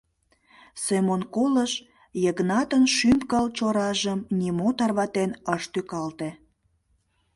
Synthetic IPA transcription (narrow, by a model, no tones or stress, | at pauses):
semonkoləʃ | jəɣnɑt̪ənʃympkəlt͡ɕoɾɑʒəmnʲimot̪ɑrβɑt̪enəʃt̪ykɑlt̪e